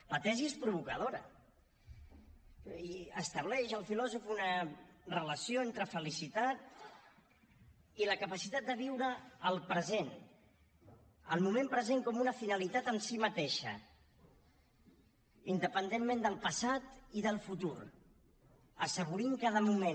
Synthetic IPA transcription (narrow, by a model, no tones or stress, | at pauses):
lət̪ɛziespɾuβukəðoɾə̰ | əst̪əβ̞lɛʃəlˠfilɔzufunərələsjoent̪ɾəfəlisit̪at̪ | iləkəpəsit̪at̪̚d̪əβiwɾəːlˠpɾəzen | ə̰lˠmumẽmpɾəzeŋkɔmunəfinəlit̪at̪ənsimət̪eʃə̰ | ind̪əpənd̪enmend̪əlˠpəsat̪iðəlˠfut̪uɾ | əsəɣ̞uɾiŋkað̞əmumen